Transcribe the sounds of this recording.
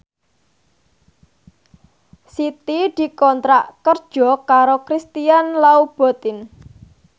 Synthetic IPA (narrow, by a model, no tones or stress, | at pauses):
sit̪id̪̥i̤kɔnt̪ɾaʔkərd̥ʒ̥ɔ̤kaɾokɾist̪ianlaub̥ɔ̤t̪ɪn